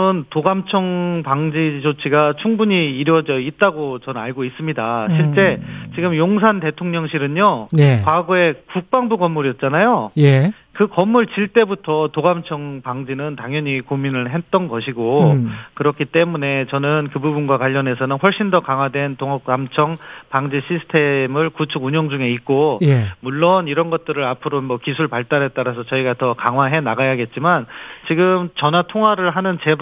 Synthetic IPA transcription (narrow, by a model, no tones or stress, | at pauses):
ɯntoɡamt͡ɕʰʌŋpaŋd͡ʑid͡ʑot͡ɕʰiɡat͡ɕʰuŋbuɲiːɾjʌd͡ʑʌit̚t͈aɡot͡ɕʌnɯnaɭɡois͈ɯmɲidaɕʰiɭt͡ɕ͈e̞t͡ɕiɡɯmjoŋsʰante̞tʰoŋɲʌŋɕʰiɾɯɲojkwaɡoe̞kuk̚p͈aŋbuɡʌmːuɾiʌt̚t͡ɕ͈anajoje | kɯkʌmːuɭt͡ɕiɭt͈e̞butʰʌtoɡamt͡ɕʰʌŋpaŋd͡ʑinɯntaŋjʌɲikominɯɭɦe̞t͈ʌnɡʌɕʰiɡokɯɾʌkʰit͈e̞mune̞t͡ɕʌnɯnkɯbubunɡwakwaʎːʌne̞sʰʌnɯnɸwʌɭɕ͈indʌkaŋɦwadwe̞ntoŋʌamt͡ɕʰʌŋpaŋd͡ʑiɕʰisʰɯ̥tʰe̞mɯɭkut͡ɕʰuɡuɲʌŋd͡ʑuŋe̞it̚k͈ojemuɭːoniɾʌnɡʌt̚t͈ɯɾɯɾapʰɯɾomʌkisʰuɭpaɭt͈aɾɦet͈̚aɾasʰʌt͡ɕʌiɡatʌkaŋɦwaɦe̞naɡajaɡe̞t̚t͡ɕ͈imant͡ɕiɡɯmt͡ɕʌnatʰoŋɦwaɾɯɭɦanɯnt͡ɕe̞